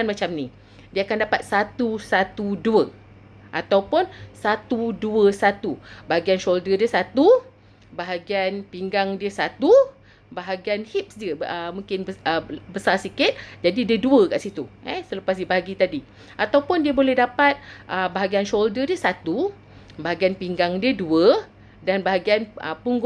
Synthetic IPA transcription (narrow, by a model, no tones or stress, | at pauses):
kanmat͡ʃamnĩ | diəakandapat̪̚sat̪usat̪uduə | ʔat̪awpʊnsat̪uduəsat̪ubaɦaɡianʃoldədiəsat̪u | baɦaɡianpiŋɡaŋdiəsat̪u | baɦaɡianhip̚sdiəəmũŋkɪnbəəbəsarsikɪt̪̚d͡ʒadidiəduəkaʔsit̪uɛsələpas̬diəbaɦaɡit̪adi | ʔat̪awpʊndiəbolɛhdapat̪̚ʔəbaɦaɡianʃoldədiəsat̪u | baɦaɡianpiŋɡaŋdiəduə | danbaɦaɡianə̰puŋɡ